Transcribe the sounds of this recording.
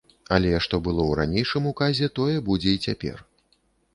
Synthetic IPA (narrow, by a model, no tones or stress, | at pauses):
ɐlʲɛʂt̪ɔbɨlˠɔwɾa̰nʲejʂɨmukazʲɛt̪ɔjɛbud͡zʲɛit͡sʲapʲɛ̰r